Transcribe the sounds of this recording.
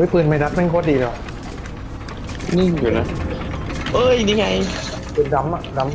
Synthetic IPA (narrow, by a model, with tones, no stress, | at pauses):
jpɯː˨˩nma˧jda˦˥t̪̚ma˥˨kʰɔː˧˥˩diː˧˩lɯ˧˩˨ | nɯ˥˩ŋjuː˨˩na˦˥ | ʔɤː˧˥˩jniː˧˩ŋa˧j | pɯː˨˩nda˨˦m˨˧da˨˦m